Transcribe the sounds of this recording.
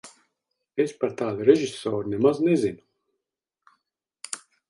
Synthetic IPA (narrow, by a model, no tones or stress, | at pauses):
espaɾt̪aːd̪uɾeʒisoːɾunemaznezinu